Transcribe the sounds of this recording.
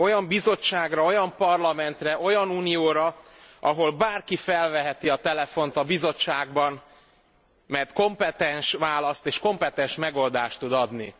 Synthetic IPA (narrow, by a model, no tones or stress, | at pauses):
o̞jɒmbizo̞t͡ʃːaːɡrɒo̞jɒmpɒrlɒmɛnt̪rɛʔo̞jɒnuːnijoːɾɒʔɒɦo̞lbaːrkifɛlvɛɦɛt̪iɒt̪ɛlɛfo̞nt̪ɒbizo̞t͡ʃːaːɡbɒn | mɛjt̪ko̞mpɛt̪ɛnʃʋaːlɒst̪eːʃko̞mpɛt̪ɛnʃmɛɡo̞ld̪aːʃt̪ud̪ɒd̪nḭ